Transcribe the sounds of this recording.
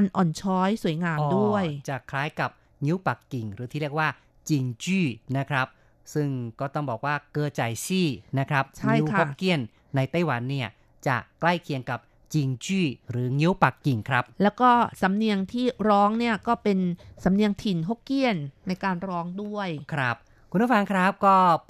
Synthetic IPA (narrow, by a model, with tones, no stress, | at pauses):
a˧nʔɔː˨˩nt͡ɕʰɔː˦˥jsu˩˦jŋaː˧du˥˩əjt͡ɕa˨˩kʰlaː˦˥jka˨˩p̚ | ŋi˦˥wpa˨˩kːi˨˩ŋɾɯː˩˦t̪ʰiː˥ɾi˥˩ək̚waː˥˩ | t͡ɕi˧ŋt͡ɕiː˥˩na˦˥kʰɾa˦˥p̚ | sɯ˥˩ŋkɔː˥˩t̪ɔ˥˩ŋbɔː˨˩k̚waː˥˩kɤː˧t͡ɕa˨˩jsʰiː˥˩na˦˥kʰɾa˦˥p̚t͡ɕʰa˦ŋ˥i˩jkʰaho˦˥˩kkːi˥˩ənː | a˧jt̪a˥˩jwa˩˦nːi˥˩ɐ | t͡ɕa̰˨˩kla˥˩jkʰi˧əŋka˨˩p̚ | t͡ɕi˧ŋt͡ɕiː˥˩ɾɯː˩˦ŋi˦˥wpa˨˩kːi˨˩ŋkʰɾa˦˥p̚lɛː˦˥wkɔː˥˩sa˨˩˦mni˧əŋt̪ʰiː˥˩ɾɔː˦˥ŋni˥˩ɐkɔː˥˩pe˧nsa˩˦mni˧əŋt̪ʰi˨˩nɦo˦˥kki˥˩ənːa˧jkaː˧nɾɔː˦˥ŋdu˥˩əjkʰɾa˦˥p̚ | kʰu˧npʰu˥˩fa˧ŋkʰɾa˦˥p̚kɔː˥˩